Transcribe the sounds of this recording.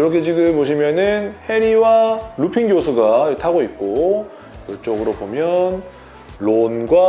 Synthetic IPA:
juɾʌkʰe̞t͡ɕiɡɯboɕ̬ʰimjʌnɯnhe̞ɾiwaɾupʰiŋɡjosʰuɡatʰaɡoit̚k͈o | jʌɭt͡ɕ͈ʌɡɯɾobomjʌn | ɭonɡwa

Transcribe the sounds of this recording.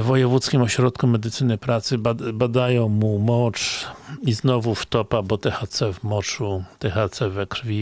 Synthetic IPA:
vɔjɛvut̪skʲimɔɕɾɔt̪kumɛd̪ɘt̪sɘnɘpɾat̪sɘbbad̪ajɔ̃w̃mumɔt͡ʂiznɔvuft̪ɔpabɔt̪ɛxat̪sɛvmɔt͡ʂut̪ɛxat̪sɛvɛkɾvʲi

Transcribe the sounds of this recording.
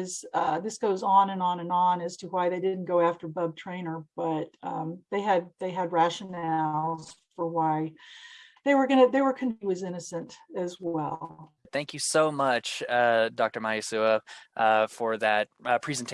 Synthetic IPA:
ɨz̥ʌðɪsɡ̥oʊzn̩ɨ̃nə̃nɨ̃ñnɨz̥tʰɨwaɪðeɪdɪdⁿn̩ɡ̥oʊæftə˞bʌb̚tʰɹ̥ẽɪ̃nə˞b̥ʌt̪̚ʌ̃mðeɪɨd̪̚ðeɪɨd̚ɹæʃɨnɛlˠz̥fə˞waɪ | ðeɪwə˞ɡʌnɨðeɪwə˞kʰʌ̃nbiwɨzɪ̃nɨsɨ̃ntɨzwɛlˠ | θæ̃ŋkʰjɨsoʊmʌt͡ʃʌdɑk̚tə˞maɪɨsʉəʔʌfə˞ðɨt̚pʰɹ̥izntʰ

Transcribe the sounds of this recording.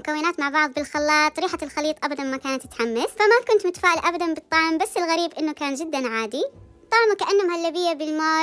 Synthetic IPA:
ʊkawːɪnaːt̪maʕbɑʕðˤbɪlxɑlːɑːt̪ˤːɾiːħalxɑliːt̪ˤʔabad̪anmakaːnat̪ːɪt̪ħamːasfamakʊnt̪mʊt̪ḁfaːʕɪlʔabad̪ambɨt̪ˤːɑʕmbasːɪlɣaɾiːbʔɪnːukaːnd͡ʒɪd̪ːanʕaːd̪i | t̪ˤːɑʕmukaʔanːhʊmhalːabɪjːabɪlmoː

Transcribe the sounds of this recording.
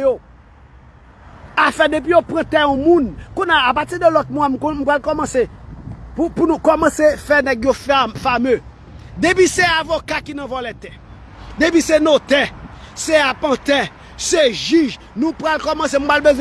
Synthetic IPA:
jo | afɛdep̬ijopʁɐ̃t̪ɛɔ̃mũnkũnaapatid̪əlɔt̪̚mwam̩km̩pɣalkɔmɐ̃sepupunukɔmɐ̃sefɛnɛɡjofafamø | d̪episeavokakinɐ̃vɔlɛt̪ɛ | dep̬isenot̪ɛ | seapãt̪ɛ | seʒiʒ | nũpɣalkɔmɐ̃sem̩palbezw̃ɛ

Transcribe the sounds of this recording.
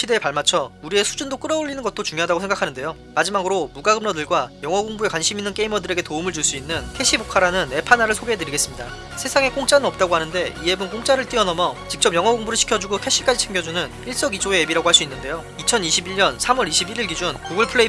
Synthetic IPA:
ɕʰide̞ːpaɭmat͡ɕʰʌuɾie̞sʰud͡ʑundok͈ɯɾʌoʎːinɯnɡʌt͈ot͡ɕuŋjoɦadaɡosʰeŋɡakʰanɯnde̞jo | mad͡ʑimaɡɯɾomuɡaɡɯmnʌdɯɭɡwajʌŋɦʌɡoŋbue̞kwanɕʰiminːɯnke̞imʌdɯɾe̞ɡe̞toumɯɭt͡ɕuɭs͈uinːɯntʰe̞ɕʰibokʰaɾanɯne̞pʰanaɾɯɭsʰoɡeedɯɾiɡe̞s͈ɯmɲida | sʰe̞sʰaŋe̞k͈oŋt͡ɕ͈anɯnʌp̚t͈aɡoɦanɯnde̞ie̞bɯnk͈oŋt͡ɕ͈aɾɯɭt͈iʌnʌmjʌt͡ɕik̚t͡ɕ͈ʌp̚jʌŋɦʌɡoŋbuɾɯɭɕʰi̥kʰjʌd͡ʑuɡokʰe̞ɕ͈ik͈ad͡ʑit͡ɕʰeŋɡjʌd͡ʑunɯn | iɭs͈ʌɡid͡ʑʰoeːbiɾaɡoɦaɭs͈uinːɯnde̞jo | it͡ɕʰʌniɕʰibiɭɲʌnsʰamʌɾiɕʰibiɾiɭɡid͡ʑunkoɡɯɭpʰɯɭe

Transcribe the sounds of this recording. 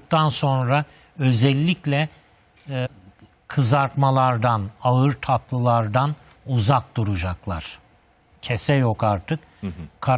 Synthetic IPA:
k̚t̪ʰanso̞nɾa | ø̞zɛlʲːiclʲɛ | kʰɯzaɾt̪malˠaɾd̪anaɯɾt̪ʰat̪ʰlˠɯlˠaɾd̪an | uzak̚d̪uɾud͡ʒaklˠa̰ɾ̥ | cʰɛsɛjo̞kaɾt̪ʰɯk | kʰa

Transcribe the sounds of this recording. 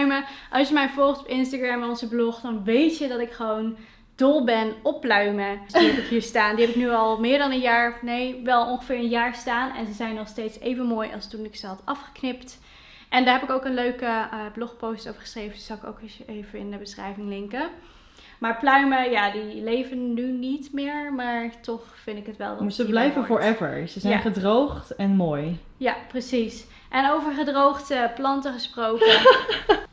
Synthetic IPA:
ɥməʔɑlˠsjəmɛjvɔlˠχtɔ̥pɪnstaɡɹɛmɔnzəblɔχdɑnʋejtjədɑtɪkχəʋown | d̥ɔlˠbɛnɔpːlœɥməsdiɦɛpɪkɦiːɹstaːndiɦɛpɪknyɑlˠmɪːɹdɑnənjaːɹnejʋɛlˠɔnχəvɪːɹənjaːɹstaːnɛ̰nzəzɛjnɔχstejtsejvənmoːjɑ̰lˠstunɪksəɦɑtɑfχə̥knɪpt | ʔɛndaːɹɦɛpɪkowkənløɥkəblɔχpowstowvəɹχə̥srejvənsɑɪko̰wkɪsejvənɪndəbəsχrɛ̰jvɪŋlɪŋkə | maːɹplœɥməjaːdilejvənːynitmɪːɹmaːɹtɔχfɪndɪkɦətʋɛ̰lˠdzəblɛjvəvɔːɹɛvə̰ɹsəzɛjjnχədrowχtɛnmoːj | japrəsis | ʔɛnowvəɹχədrowχtəplɑntəχəsprowkə

